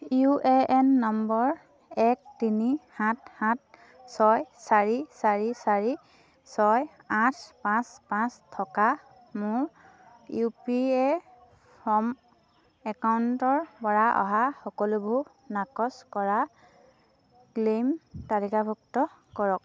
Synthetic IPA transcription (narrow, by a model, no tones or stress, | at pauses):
juʔeʔɛnːɔmbɔɹ | ɛk̚tinihãt̚hãt̚ | sɔjsaɹisaɹisaɹi | sɔj | ãtʰpãspãstʰɔka | mʊɹ | jupiɛ | pʰɔm | ɛkawntɔɹbɔɹaʔɔ̰ɦaxɔkɔlubʱu | nakɔskɔɹa | klemtalikabʱuktɔ | kɔɹɔk̚